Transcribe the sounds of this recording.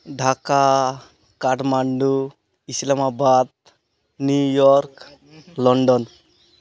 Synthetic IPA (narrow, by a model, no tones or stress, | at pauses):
ɖʱaka | kaʈmaɳɖu | islamabad̪̚ | nujɔɾk | lɔɳɖɔn